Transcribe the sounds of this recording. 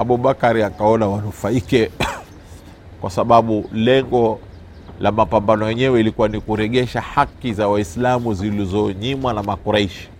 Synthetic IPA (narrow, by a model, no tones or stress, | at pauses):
aɓuɓakaɾiakaɔnawanufaikɛ | kwʔasaɓaɓulɛŋɡɔ | lamapambanɔjɛɲɛwɛilikuwanikuɾɛʄɛʃahakizawaislamuzilizɔɲimwanamakuɾaiʃi̥